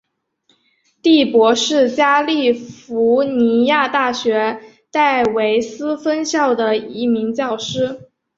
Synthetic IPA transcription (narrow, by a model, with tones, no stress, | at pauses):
t̪i˥˩pwɔ˧˥ʂɻ̩˥˩t͡ɕja˥li˥˩fu˧˥ni˧˥ja˥˧t̪a˥˩ɕɥɛ˧˥ | t̪a˥˩ɪwe˧˥ɪsɹ̩˥fə˥nɕjɑ˥˩ʊd̪ə˩i˧˥mi˧˥ŋt͡ɕjɑ˥˩ʊʂɻ̩˥